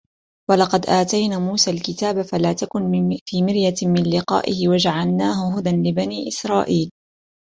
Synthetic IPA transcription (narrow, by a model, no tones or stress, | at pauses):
wɑlɑqɑd̪ʔaːt̪ajnaːmuːsaːlkɪt̪aːbafalaːt̪akʊnfiːmɪɾjamɪnlɪqɑ̰ːʔɪhɪwad͡ʒaʕalnaːɦʊɦʊd̪anlɪbaniːʔɪsɾˤɑːʔiːl